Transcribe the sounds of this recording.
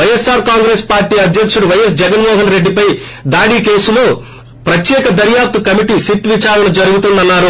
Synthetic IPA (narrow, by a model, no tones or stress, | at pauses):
ʋɐjesːaːɾkaːŋɡɾe̞ːspaːɾʈiːɐd̪ʱjɐkʂuɽuʋɐjes̬d͡ʒɛɡɐnmɔːɦɐnɾe̞ɖːipɐj | d̪aːɽiːke̞ːsuloː | pɾɐt̪jɛːkɐd̪ɐɾjaːp̚t̪ɐkɐmiʈisiʈʋit͡ʃaːɾɐnɐd͡ʒɐɾuɡut̪und̪ɐnːaːɾu